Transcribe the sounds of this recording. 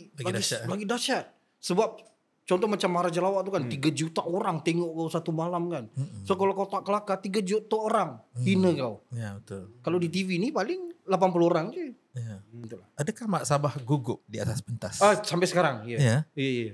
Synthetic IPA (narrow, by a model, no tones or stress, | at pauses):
laɡilaɡidat͡ʃat̪̚ | səbap̚ | t͡ʃɔnt̪ɔhmat͡ʃamːaɾad͡ʒalawaʔt̪ukant̪iɡad͡ʒut̪aʔoɾaŋt̪eŋɔʔkawsat̪umalamkansokalakawt̪aʔkəlakat̪iɡad͡ʒut̪aoɾaŋhinəkawjabət̪ʊlkalowdit̪̬ivinipalɪŋlapanp̬uluoɾaŋd͡ʒu | jaət̪ulahadəkahmaʔsabahɡuɡʊp̚diat̪aspənt̪asasampɛjsəkaɾaŋjajajaja